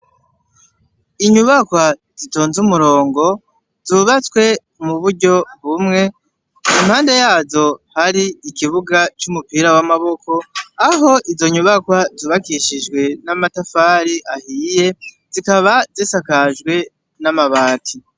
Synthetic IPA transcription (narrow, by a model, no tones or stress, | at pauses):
iɲuβakwa | z̥ito̞ːnzumuɾo̞ːŋɡo̞ | zuβat͡swe̞ | muβuɾɟo̞βumŋe̞ | imhaːnde̞jaːzo̞haɾiikiβuɡat͡ʃumupiːɾawamaβo̞ko̞aɦo̞ʔizo̞ɲuβakwazuːβakiʃiʒɡwe̞namatafaːɾiʔahije̞ | z̥ikaβazisakaʒɡwe̞ | namaβaːtʰi